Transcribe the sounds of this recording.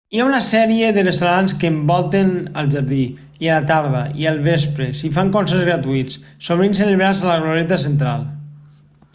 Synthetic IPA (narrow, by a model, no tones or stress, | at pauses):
iaunəsɛɾieðərest̪awɾanskəːmbɔlˠt̪enəlˠʒaɾði | iəlat̪aɾðəiəlˠβespɾesifaŋkonsezɣɾat̪uit͡ssoβ̞ɾins̬eləβɾazələɣloɾet̪əs̬ənt̪̬ɾalˠ